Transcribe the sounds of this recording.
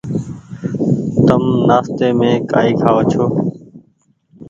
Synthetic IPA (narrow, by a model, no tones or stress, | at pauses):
t̪əmnaːst̪eːmẽːka̰ːiːkʰaːʋoːt͡ʃʰoː